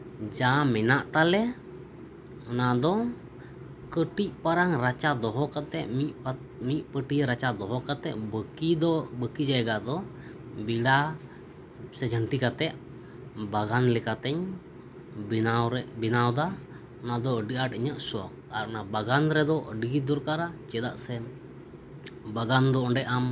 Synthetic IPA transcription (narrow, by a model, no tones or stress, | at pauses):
d͡ʒamɛnaʔt̪alɛ | ɔnad̪ɔ | kəʈic̚paɾaŋɾat͡ʃad̪ɔɦɔkat̪ɛʔmip | mic̚pəʈiɾat͡ʃad̪ɔɦɔkat̪ɛ̰ʔəkid̪bəkid͡ʒajɛɡad̪ɔ | biɽa | sɛd͡ʒʱəɳʈikat̪ɛʔ | baɡanlɛkat̪ɛɲ | aɾbinawd̪a | ɔnad̪ɔəɖiʔaʈiɲəʔsɔk̚aɾɔnabaɡanɾɛd̪ɔʔəɖiɡid̪ɔɾkaɾat͡ʃɛd̪a̰ʔsɛ | baɡand̪ɔɔɳɖɛʔam